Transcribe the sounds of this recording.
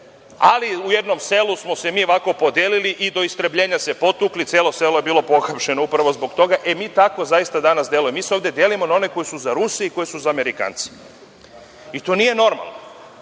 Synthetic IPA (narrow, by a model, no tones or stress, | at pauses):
a̰liuje̞d̪no̞mse̞lusmo̞se̞miːoʋako̞po̞d̪jeːliliʔid̪o̞ist̪ɾebʎe̞ːɲase̞po̞t̪uːklit̪sjeːlo̞se̞loje̞biːlˠo̞po̞xapʃe̞no̞upɾaʋo̞zbo̞kt̪o̞ɡaʔe̞miːt̪ako̞zajist̪ad̪anasd̪je̞lujemiseoʋd̪ed̪je̞limo̞nao̞ne̞ko̞jisuzaɾusiiko̞jesuzaːme̞ɾika̰ːnt̪si̥ | it̪o̞ːnije̞no̞ɾma̰lˠno